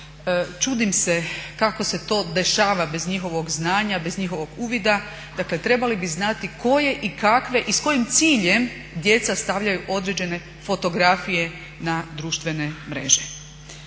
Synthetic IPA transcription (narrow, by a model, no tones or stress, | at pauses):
t͡ʃuːd̪imse̞kako̞se̞t̪o̞ːd̪e̞ʃaːʋabe̞zɲixo̞ʋo̞ɡznaːɲabe̞zɲixo̞ʋo̞ɡuːʋid̪a | d̪akle̞t̪ɾe̞balibiznat̪ikʰo̞je̞ʔikakʋe̞ʔisko̞jimt̪siːʎe̞m | d̪je̞t̪sast̪aʋʎajuʔo̞d̪ɾe̞d͡ʑe̞ne̞ | fo̞t̪o̞ɡɾafije̞ | nad̪ɾuːʃt̪ʋe̞ne̞mɾe̞̰ʒe